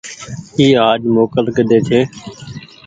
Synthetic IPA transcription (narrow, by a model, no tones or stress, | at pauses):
iːaːd͡ʒmoːkəlkəd̪eːt͡ʃʰeː